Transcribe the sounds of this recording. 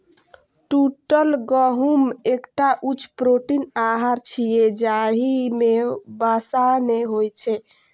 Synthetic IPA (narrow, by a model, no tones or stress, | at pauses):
ʈuʈəlɡəɦumekʈaʔut͡ʃʰpɾoʈinaɦaɾt͡ʃʰijed͡ʒaɦimebasaneɦojt͡ʃʰɛ